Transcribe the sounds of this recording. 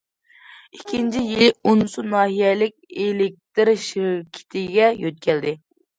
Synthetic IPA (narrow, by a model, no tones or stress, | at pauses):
ikʲʰint͡ʃʰijilɪunsunɑːɦijɛlɪk̚ʲelɪk̚ʲt̪ɪɾʃikʲʰi̥t̪ʰɪɡʲɛjøt̪̚kʲʰɛld̪ɪ